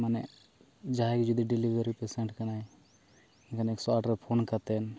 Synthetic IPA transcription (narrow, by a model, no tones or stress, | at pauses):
manɛʔ | d͡ʒaɦakd͡ʒɔd̪iɖilibeɾipɛsɛɳʈkanaj | ɛnkʰanɛksɔaʈɾɛpʰonkat̪ɛn